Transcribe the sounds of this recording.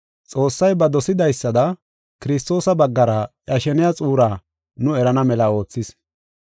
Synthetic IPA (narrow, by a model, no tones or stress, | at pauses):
t͡sʼo̞ːsːɐjbɐd̪ɔsɪd̪ɐjsːɐd̪ɐ | kɪɾɪs̬t̪o̞ːsɐbɐɡːɐɾɐʔjɐʃɛnɪjɐt͡sʼuːɾaː | nʊɛɾɐnɐmɛlɐo̞ːt͡sːɪs